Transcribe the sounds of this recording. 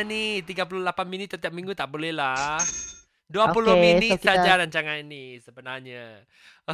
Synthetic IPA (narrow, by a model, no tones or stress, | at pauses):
nit̪iɡap̬ululapanminit̪ːət̪iap̚mĩŋɡut̪aʔbolɛhla | duapulʊminit̪̚ad͡ʒaɾaɲt͡ʃaŋaninisəbənaɲa